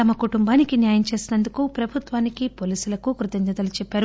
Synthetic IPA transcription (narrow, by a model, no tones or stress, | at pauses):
t̪ɐmɐkuʈumbaːnikinjaːjɐmt͡ʃe̞ːsinɐnd̪ukupɾɐbʱut̪ʋaːnikipo̞ːliːsulɐkukɾut̪ɐɲd͡ʒɐd̪ɐlut͡ʃɛpːaːɾu